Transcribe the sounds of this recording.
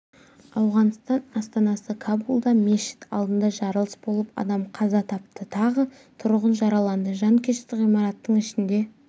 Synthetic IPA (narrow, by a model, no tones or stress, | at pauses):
ɑwʁɑnst̪ɑnɑst̪ɑnɑsəkʰabulˠd̪ɑmʲeʃɪ̥t̪ʰɑ̰lˠd̪ənd̪ɑʒɑɾəlˠəsbo̞lˠəpɑ̰d̪ɑmqʰɑzɑt̪ʰɑp̚t̪ət̪ʰɑʁə | t̪ʰʊɾʁənʒɑɾɑlˠɑnd̪əʒɑŋkʲʰeʃt̪ɪqijmɑɾɑt̪ːəɴɪʃɪnd̪e̞